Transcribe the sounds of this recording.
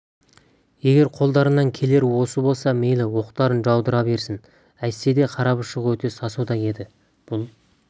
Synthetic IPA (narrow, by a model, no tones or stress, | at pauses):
je̞ɡʲe̞ɾqʰo̞lˠd̪ɑɾənɑŋkʲʰe̞le̞ɾwo̞səbo̞lˠsɑme̞jlɪwo̞qt̪ɑɾənʒɑwd̪əɾɑbe̞ɾsɪn | æj̪se̞d̪e̞qʰɑɾɑpəʃəqwɵt̪e̞sɑsud̪ɑje̞d̪ɪ | b̥ʊlˠ